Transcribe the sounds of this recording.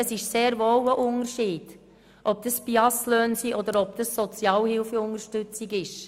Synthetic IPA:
əsɪʃseːɾvoːwəʔʊnəɾʃiːd̥ | ʔɔp̚d̥̪əspiɑsløːnsiːʔɔd̪əɾɔbd̥̪əsːɔt͡sjɑːlhɪlfəʊŋəɾʃtʏt͡sɪɡɪʃ

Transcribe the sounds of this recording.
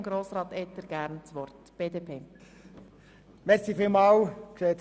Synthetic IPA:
mɡɾoːsɾɑːt̪ɛt̪ːəɾɡ̥æɾnt͡sʋɔrt̪ | b̥eːdeːpʰeː | mɛɾsifilmɑːwkʃeːt

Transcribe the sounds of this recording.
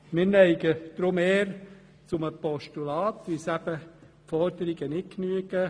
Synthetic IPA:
mɪɾnɛɪɡəd̪̥ɾʊmeːɾ | t͡sʊməpɔʃtulɑːt̪ʋɪsæb̥ə | fɔɾd̪əɾiɡ̥ənɪtknyəɡə

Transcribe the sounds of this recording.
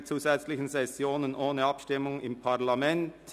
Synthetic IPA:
t͡suːzɛt͡slɪçən̩sɛsjoːnənʔoːnəɑpʃtɪmʊŋɪmpʰaʁlamɛnt

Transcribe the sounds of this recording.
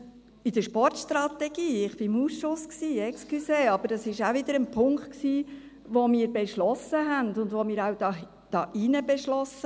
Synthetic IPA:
ɪd̥̪əʃpɔɹtʃtɾɑt̪ɛɡ̥iːɪχb̥ɪmusʃʊsksiːɛksklyseːɑb̥əɾɑsɪʃævɪd̥̪əɾənpʰʊŋkt̚ksiː | ʋomɪːɾbɛʃlɔsəɦɛndʊndʋomɪːɾawdɑ | d̥ɑːʔinəbɛʃlɔsə

